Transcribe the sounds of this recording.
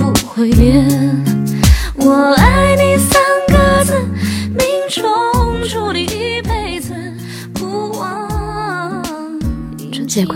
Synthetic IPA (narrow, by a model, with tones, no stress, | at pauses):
xwe˧˩ɪmjɛ˧˥ | wɔ˨˩a˥˧˥ɪni˥˧˩sa˥nkə˧t͡sə˧˩mi˧˥ŋʈ͡ʂʰʊ˧˥ŋʈ͡ʂu˥˧˩li˧˩pe˥˧˩ɪt͡s̩˧ | pu˧˥wɑ˧˥ | ʈ͡ʂu˥˩t͡ɕɛ˥˩kʰ